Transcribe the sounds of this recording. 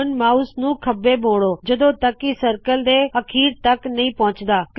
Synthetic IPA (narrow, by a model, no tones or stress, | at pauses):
nmaːusnũːkʰəbːeːboːɽoːd͡ʒəd̪õːt̪əkːisəɾkəld̪eːəkʰiːɾt̪əknəĩːpɔ̃ːt͡ʃd̪aːk